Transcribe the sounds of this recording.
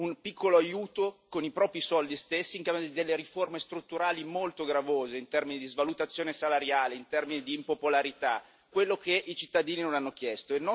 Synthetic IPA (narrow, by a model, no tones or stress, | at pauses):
unpikʰːoloajuːt̪okonipɾɔːpɾisɔld̪ist̪esːiŋkamod̪id̪elːeɾiformest̪ɾut̪ːuɾaːlimolt̪oɡɾavoːzeint̪ɛrminid̪izvalut̪at̪sːjoːnesalaɾjaːleint̪ɛrminid̪iːmpopolaɾit̪a | kːwelːokeʔit͡ʃit̪ːad̪iːninonanːok̟jɛst̪oenɔ